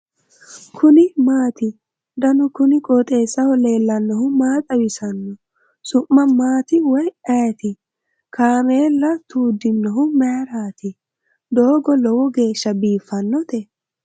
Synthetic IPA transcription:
kʰʊnɪmaːt̪ɪ | d̪ɐnʊkʊnɪkʼɔːt̪ʼe̞ːsːɐhɔle̞ːlːɐnːɔhʊmaːt̪ʼɐwɪsɐnːɔ | sʊʔːɐmaːt̪ɪwɔjɐjt̪ɪ | kʰaːmeːlːɐt̪uːd̪ːɪnːɔɦʊmɛɾaːt̪ɪ | d̪o̞ːɡɔlɔwɔɡe̞ːʃːɐbiːfːɐnːɔt̪ɛ

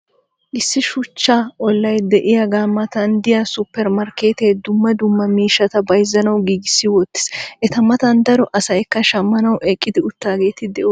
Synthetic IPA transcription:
ʔɪsːɪʃʊt͡ʃːaːʔɔlːɐjd̪ɛʔɪjɐɡaːmːɐt̪ɐnd̪ɪjɐsʊpːɛɾmɐɾke̞ːt̪eːd̪ʊmːɐd̪ʊmːɐmiːʃːɐt̪ɐbɐjzːɐnɐwɡiːɡɪsːɪwɔt̪ːɪ̥sʔɛt̪ɐmɐt̪ɐnd̪ɐɾɔʔɐsɐjkːɐʃɐmːɐnɐwʔeːkʼːɪd̪ɪʊt̪ːaːɡe̞ːt̪ɪd̪ɛʔo

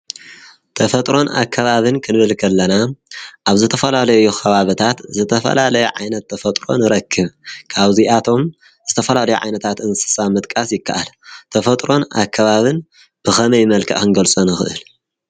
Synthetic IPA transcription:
t̪ʰɐfɐt̪ʼɾo̞na̰kʰːɐβaβɨnkʰɨnɨβɨlkʰɐlːɐnaʔaβzɨt̪ʰɐfɐlalɐjuxʰɐβaβit̪ʰat̪zɨt̪ʰɐfɐ̰lalɐjuʕajnɐt̪ʰːɐfɐt̪ʼɾo̞̰nɨɾɐkʰːɨβkʰaβziʔat̪ʰo̞m | zɨt̪ʰɐfɐlalɐjuʕa̰jnɐt̪ʰat̪ɨnsɨ̥samɨt̪ʼkʼasjɪkʰːa̰ʔalt̪ʰɐfɐt̪ʼɾo̞na̰kʰːɐβaβɨn | b̥ɨxɐmɐjmɐlkʰɐ̰ʔxɨnɡɐlt͡sʼunɨxɨʔɨl

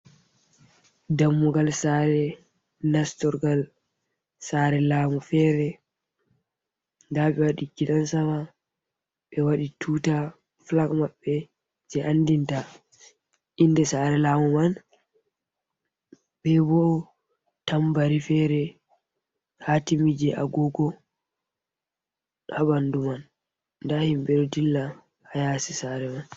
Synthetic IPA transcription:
damːuɡalsaɾɛ | nastɔɾɡal | saɾɛlaːmufɛːɾɛ | ndaɓɛwaɗiɡiɗansama | ɓɛwaɗitʰuːta | flakmaɓːɛ | d͡ʒɛʔandinta | ʔindɛsaɾɛlaːmɔman | bɛbɔ | tambaɾifɛɾɛ | hatimid͡ʒɛʔa̰ɡɔɡɔ | habanduman | ndahimbɛɗɔdilːa | hajasisaɾɛman

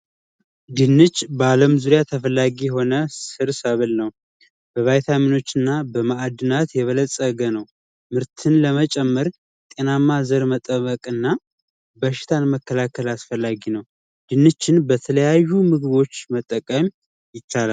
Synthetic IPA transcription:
d̪ɨnːɨt͡ʃːbaləmzuɾijat̪ʰəfəlːaɡijɛɦo̞nəsɨɾsəβɨlnəw | b̥əβajt̪ʰamino̞t͡ʃːɨnːabəmaad̪ɨnat̪jɛβələsʼəɡənəw | mɨɾt̪ʰɨnləmət͡ʃʼɛmːəɾ | t̪ʼenamːazəɾmət̪ʼəβəkʼɨnːa | bəʃɪ̥t̪ʰanməkːəlakʰːəlasfəlːaɡinəw | d̪̥ɨnːɨt͡ʃːɪnbət̪ʰələjajːumɨɡɨβo̞t͡ʃːmət̪ʼːəkʼəm | jɪt͡ʃːalal

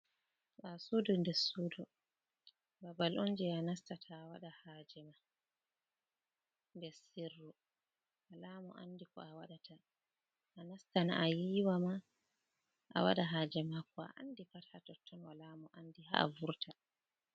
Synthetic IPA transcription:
ɓasudɔndɛsuːdɔ | babalʔɔnd͡ʒɛanastatʰaːwaɗahaːd͡ʒɛma | ndɛsirːu | walamɔʔa̰ndikɔ̰awaɗatʰa | ʔːnastanaʔajiːwama | ʔa̰wa̰ɗaɦaːd͡ʒɛmakɔa̰ʔa̰ndipathatɔtʰːɔnwalamɔʔandiɦa̰a̰vuɾtʰa

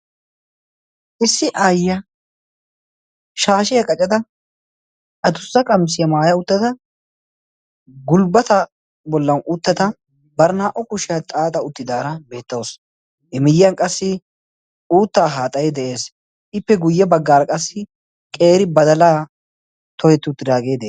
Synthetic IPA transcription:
ʔɪsːɪʔaːjːɐ | ʃaːʃɪjɐkʼɐt͡ʃʼɛd̪ɐ | ʔɐt̪ʊsːɐkʼɐmsɪjɐmaːjɐʊt̪ːɐt̪ɐ | ɡʊlbɐt̪ɐ | bɔlːɐnʔʊt̪ːɐt̪ɐ | bɐɾnaːʔɔkʊʃɪjɐt̪ʼaːt̪ʼɐʊt̪ːɪd̪aːɾɐbe̞ːt̪ːɐws | ɛmɪjɐnkʼɐsːɪ | uːt̪ːaːɦaːt̪ʼɐjɛd̪ɛʔe̞ːs | ʔɪpːɛɡʊjːɛbɐɡːaːɾɐkʼɐsːɪ | kʼe̞ːɾɪbɐd̪ɐlaː | t̪ʰɔhɛt̪ːɪʊt̪ːɪd̪aːɡe̞jd̪ɛ

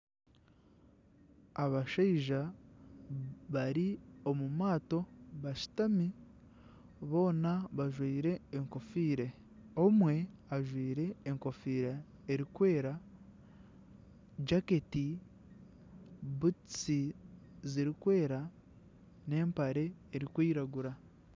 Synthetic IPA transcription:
aβaʃaiʒa | βaɾio̞mumaːto̞βaʃi̥tami | βo̞ːnaβaʒwiːɾe̞ːŋko̞fiːɾe | o̞mwe̞aʒwiːɾe̞ːŋko̞fiːɾeː | ɾikwe̞ːɾa | d͡ʒake̞ti | but͡si | ziɾikwe̞ːɾa | ne̞ːmpaɾe̞ːɾikwiːɾaɡuɾa

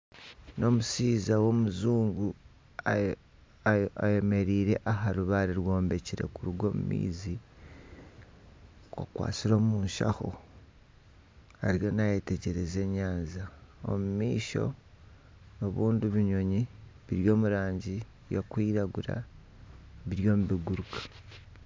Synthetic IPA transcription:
no̞musiːzawo̞muzuːŋɡu | a | aje̞me̞ɾiːɾe̞ʔaɦaɾuβaɾiɾwo̞ːmbe̞ciɾe̞̰kuɾuɡo̞ːmṵmḭːzi | kwo̰kwa̰ːt͡siɾo̞ːmuːnʃa̰xo̞̰ | aɾjo̞naje̞te̞ɟe̞ɾe̞ze̞ɲaːnzao̰mumiːʃo̞̰ | no̞βuːnduβiɲo̞ɲiβiɾjo̞ːmuɾaːɲɟi | jokwiːɾaɡuɾa̰ | βiɾjo̞ːmuβiɡuɾukḁ

